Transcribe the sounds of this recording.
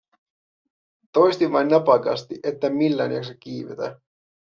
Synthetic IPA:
t̪o̞jst̪iʋʋɑjnnɑpɑkɑ̰st̪iʔet̪ːæmilːæ̰njɑ̰ksekiːʋḛt̪æ̰

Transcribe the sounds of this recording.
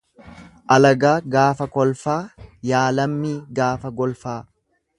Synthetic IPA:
ʔɐlɐɡaːɡaːfɐkɔlfaːjaːlɐmːiːɡaːfɐɡɔlfaː

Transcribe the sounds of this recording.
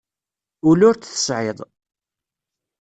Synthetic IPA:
ʊlʊɾt͡sθə̥sʕɪðˤ

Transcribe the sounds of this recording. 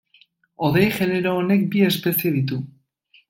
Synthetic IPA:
o̞ðejʝe̞neɾoːne̞k̚bie̞spe̞sije̞ðit̪̬u

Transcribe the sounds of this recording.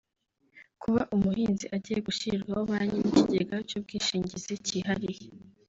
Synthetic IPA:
kʰuβaʔumuhiːnziʔaɟiːje̞ɡuʃiɾɡahoβaɲiniciɟeɡacuːb̚ɡiːʃiːɲɟiziciːhaɾije

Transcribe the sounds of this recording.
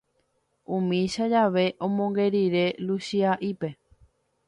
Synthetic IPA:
ũmĩʃad͡ʒaʋe̞ʔõ̞mõŋɡe̞ɾiɾe̞luʃiaʔipe̞

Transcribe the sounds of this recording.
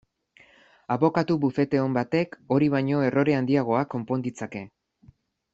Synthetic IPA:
aβo̞kat̪uβufe̞t̪e̞o̞mbat̪e̞ko̞ɾiβ̞aɲo̞e̞ro̞ɾe̞and̪iaɣ̞o̞akːo̞mpo̞nd̪it͡sake̞

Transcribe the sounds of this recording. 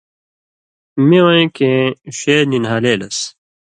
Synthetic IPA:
mẽwɐ̃ẽkẽɕeːninɦaːleːlɐs

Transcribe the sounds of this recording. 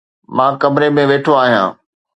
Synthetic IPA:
mãːkɐmɾemẽʋeːʈʰoaːɦijã̰ː

